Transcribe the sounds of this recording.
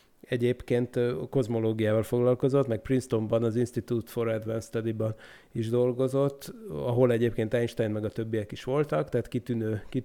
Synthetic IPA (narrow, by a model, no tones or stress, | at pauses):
ɛɟeːpkeːnt̪ko̞zmo̞loːɡijaːvɒlfo̞ɡlɒlko̞zo̞t̪mɛk̚prinst̪o̞mbɒnɒzinʃt̪it̪ut̪fo̞ɾɛd̪vɛnst̪ɒd̪ibɒn | iʒd̪o̞lɡo̞zo̞t̪ːɒɦo̞lɛɟeːpkeːnt̪ɛjnʃt̪ɛjnmɛɡɒt̪ø̞bːijɛkiʃʋo̞lt̪ɒkt̪ɛɦːt̪kit̪ynøːki